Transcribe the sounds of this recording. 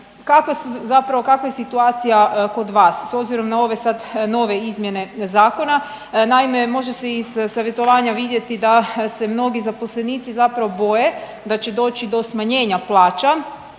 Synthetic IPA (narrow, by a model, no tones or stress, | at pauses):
kakʋasuzapɾaʋokakʋajesit̪uaːt̪sijako̞d̪ʋaːsːo̞bziɾo̞mnao̞ʋe̞sad̪no̞ʋe̞izmjene̞zaːko̞na | naimemo̞ʒeseiz̥saʋjet̪o̞ʋaːɲaʋid̪je̞t̪id̪ase̞mno̞ɡizapo̞sleniːt̪sizapɾaʋo̞bo̞je̞ | d̪at͡ɕed̪o̞ːt͡ʃid̪o̞smaɲe̞ːɲaplˠaːt͡ʃa